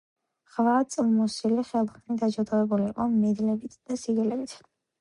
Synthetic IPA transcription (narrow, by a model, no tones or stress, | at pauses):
χvat̪sʼilˠmɔsiliχɛlˠχnid̪ad͡ʒɔd̪avɛbuliːqʼɔmɛd̪lɛbit̪ʰd̪̥asiɡɛlɛbit̪ʰ